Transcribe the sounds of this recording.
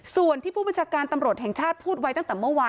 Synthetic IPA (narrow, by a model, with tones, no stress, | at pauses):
su˨˩ənt̪ʰiː˥˩pʰuː˥˩ba˧nt͡ɕʰaː˧kaː˧nt̪a˧mɾu˨˩ət̪̚hɛ˨˩ŋt͡ɕʰaː˥˩t̪̚pʰuː˥˩t̪̚wa˦˥jt̪a˥˩ŋt̪ɛː˨˩mɯ˥˩˨waː˧